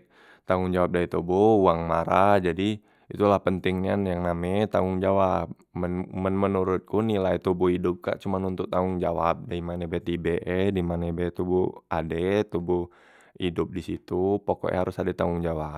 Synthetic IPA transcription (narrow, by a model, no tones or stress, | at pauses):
t̪aŋʊŋd͡ʒawap̚dait̪obuuaŋmaɾad͡ʒadi | it̪ulahpənt̪ɪŋɲanjaŋnamɛt̪aŋʊŋd͡ʒawap | mənmənmənuɾʊt̪̚kunilait̪ubuidʊp̚ka̰ʔt͡ʃumanunt̪ʊt̪aŋʊŋd͡ʒawap̚daimanebet̪ibeʔɛdimanebet̪ubuadɛt̪ubu | idʊp̚disit̪upoko̰ʔɛ̰ɦaɾʊsadɛt̪aʊŋd͡ʒawa